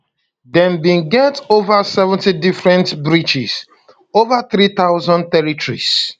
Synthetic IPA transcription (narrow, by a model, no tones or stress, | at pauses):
dɛ̃nbĩnɡɛtovasɛvɛ̃ntidifɹɛ̃ntbɹit͡ʃis | ovaθɾit̪aʊzɔ̃nd̚t̪ɛɹitɹḭs